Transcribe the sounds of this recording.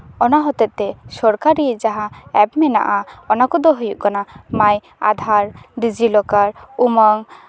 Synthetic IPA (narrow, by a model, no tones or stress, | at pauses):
ɔnaɦɔt̪ɛt̪ɛsɔɾkaɾid͡ʒaɦãɛpmɛna̰ʔaɔnakɔd̪ɔɦojuʔkɔnamaj | a̰d̪ʱaɾd̪id͡ʒilɔkaɾumɔŋ